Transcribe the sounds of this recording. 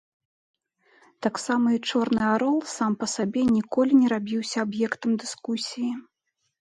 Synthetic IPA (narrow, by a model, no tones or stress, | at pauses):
t̪aksamɐit͡ʂɔrnɨaɾɔlˠsampɐsabʲɛnʲikɔlʲinʲɛɾabʲiwsʲɐabjɛkt̪ɐmd̪ɨskusʲiji